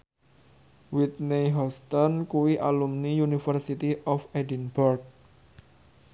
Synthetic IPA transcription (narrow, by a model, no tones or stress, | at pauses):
wit̪̚neɦɔst̪ɔnkuwiʔalumnijunifərsit̪iʔɔfedinbɔrk̚